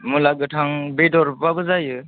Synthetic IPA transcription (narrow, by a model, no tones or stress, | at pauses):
mulaɡɯtʰaŋbedɔɾpabɯzajɯ